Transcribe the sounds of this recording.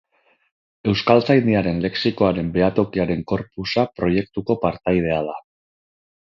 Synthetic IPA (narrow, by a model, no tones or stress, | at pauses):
e̞wskalt͡sajnd̪iaɾe̞nle̞ksiko̞aɾe̞mbe̞at̪o̞kiaɾe̞ŋko̞ɾpusapɾo̞je̞k̚t̪uko̞paɾt̪ajð̞e̞að̞a